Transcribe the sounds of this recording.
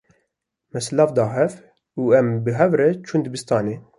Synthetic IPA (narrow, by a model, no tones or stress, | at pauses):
mɛslɑːfd̪ɑːɦɛf | uːɛmbɨɦɛvɾɛt͡ʃʰuːnd̪ɨbɨst̪ɑːneː